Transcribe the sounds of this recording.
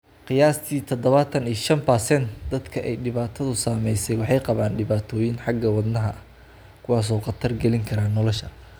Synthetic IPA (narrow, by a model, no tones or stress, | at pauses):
qɪjaːst̪ʰiːt̪ʰɔd̪ɔβɐt̪ʰɐnijʃɐnpɐsɛnt̪d̪ɐd̪kʰɐʔɛjɖɪβaːt̪ʰɐðʊsaːmɛjsɛjwɑħɑjqɑβaːnɖɪβaːt̪ʰɔːjɪnħɑɡɐwɑd̪nɐɦɐ | kʰʊwɑːs̬ɔːqɑt̪ʰɐrɡɛlɪŋkʰɐɾaːnːɔlɔʃɐ